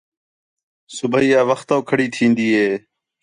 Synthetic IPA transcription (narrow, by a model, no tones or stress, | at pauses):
sʊbəiːaːʋəxt̪oːkʰəɽiːt̪ʰĩːnd̪iːɦeː